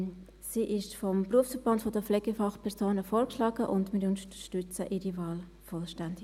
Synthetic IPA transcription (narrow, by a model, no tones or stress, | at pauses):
siːʔɪʃfɔmpruəfsfəɾb̥ɑntfɔdəflɛɡ̥əfɑχpʰɛʁsoːnəfoːɾkʃlɑːɡəʔʊ̰ndmɪɾʊntəəʃtʏt͡səʔiːɾivɑːl | fɔlʃtændɪɡ